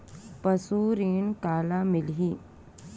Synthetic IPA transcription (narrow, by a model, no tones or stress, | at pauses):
pɐsuːɾiːnkaːlamɪlɦiː